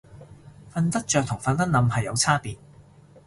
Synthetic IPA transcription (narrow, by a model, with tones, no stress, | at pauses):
fɐ˧nt̪ɐ˥k̚t͡ʃœː˨k̚t̪ʰʊ˨˩ŋfɐ˨˧nt̪ɐ˥n̚nɐ˨˧mhɐ˨jːɐ˨˧wt͡sʰaː˥piː˨˩n